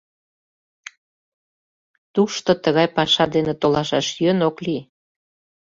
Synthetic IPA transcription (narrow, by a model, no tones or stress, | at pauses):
t̪uʃt̪ot̪əɣɑjpɑʃɑd̪enet̪olɑʃɑʃjønokli